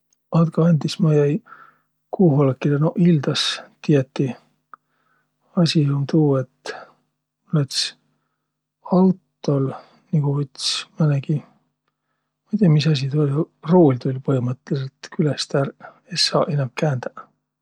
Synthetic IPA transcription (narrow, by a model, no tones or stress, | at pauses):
ɑd̪kɑɑnʲd̪ismɑjæj | kuːɦolɑkːˑilenoʔild̪̥ɑst̪iet̪ːi | ɑsʲihomt̪uːet̪ | lɑt̪s | ɑwt̪ːo̞l | niɡovit̪smɑneɡ̥i | mɑjt̪ʲiɑmisɑs̬ʲit̪ulʲɑ | roːlʲt̪ulʲpɤhimɤt̪ːˑelset̪kylest̪æɾ | esɑːʔenɑmkæːnd̪̥æ